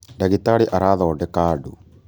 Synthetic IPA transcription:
daɣit̪aɽiʔaɾaːðɔːɖɛkaːɖu

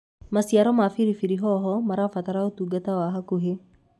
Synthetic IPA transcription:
masiaɾɔmafiɾifiɾiɦɔɦɔmaɾafat̪aɾaot̪uɡat̪awaɦakuɦe

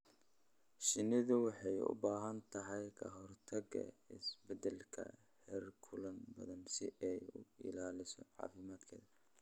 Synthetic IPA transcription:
ʃɪnɪðʊwɑħɑjʊ̰baːɦɐnt̪ʰɐɦɛjkʰɐɦɔrt̪ʰɐɡɐ̰ɪ̰sbɛd̪ɛlkʰɐ̰ | hɛrkʰʊlɐnbɐ̰ðɐnsɪʔɛjʊɪ̰laːlɪsɔʕɑ̰ːfɪmaːd̪kʰɛːðɐ

